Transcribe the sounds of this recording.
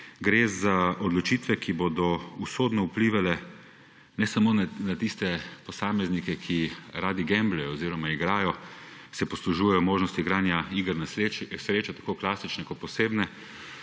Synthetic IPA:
ɡɾeːzaʔɔd̪lɔt͡ʃiːt̪ʋɛkʰibod̪ɔusoːd̪nɔupliːʋalɛ | nɛsamoːnat̪ist̪ɛpɔsaːmɛznikɛkʰiɾaːd̪iɡɛmblɛjɔːziːɾɔmaiɡɾaːjɔsɛpɔsluʒuːjɛjɔmoːʒnɔst̪iɡɾaːnjaiɡəɾnasɾeːt͡ʃat̪ḁkoːklaːsit͡ʃnɛkɔt̪̚pɔseːbnɛ

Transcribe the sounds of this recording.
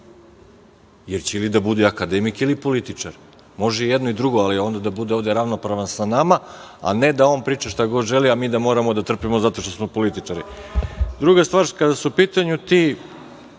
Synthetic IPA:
jeɾt͡ɕeilid̪abud̪eakad̪emikilipo̞lit̪it͡ʂaɾ | mo̞ʒeijed̪noid̪ɾuɡoalio̞ːnd̪ad̪abud̪eo̞vd̪eɾaʋno̞pɾaʋansanamaa̰ne̞d̪ao̞ːnpɾiːt͡ʃaʃt̪aɡo̞d̪ʒe̞liamiːd̪amo̞ɾamod̪at̪r̩pimo̞zat̪o̞ʃt̪osmo̞po̞lit̪it͡ʂaɾi | d̪ɾuɡast̪vaːɾkad̪asupiːt̪aɲut̪i

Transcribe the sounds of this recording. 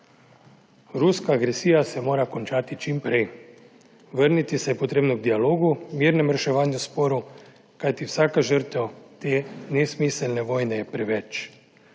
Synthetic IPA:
ɾuskaːɡɾɛsiːjasɛmoːɾakɔnt͡ʃaːt̪it͡ʃimpɾɛj | ʋəɾnit̪isɛjɛpɔt̪ɾeːbnɔɡd̪ialoːɡumiːɾnɛmɾɛʃɛʋaːnjuspoːɾu | kajt̪iwsaːkaʒəɾt̪ɛwt̪eːnɛsmisɛlnɛʋɔːjnɛjɛpɾɛʋɛt͡ʃ

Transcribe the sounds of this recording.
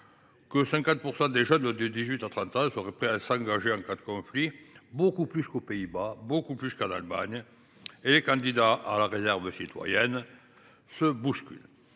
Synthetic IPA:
kəsɛ̃ŋkɑ̃t̪̚puʁsɑ̃d̪eʒœnd̪əd̪izɥit̪at̪χɑ̃t̪ɑ̃səʁɛpχɛasɑ̃ɡaʒeɑ̃kad̪əkɔ̃flibokuplyskopeibabokuplyskala̰lma̰ɲ | elekɑ̃d̪id̪aʔalaʁezɛʁvəsit̪wa̰jɛn | səbuskʲy̰l

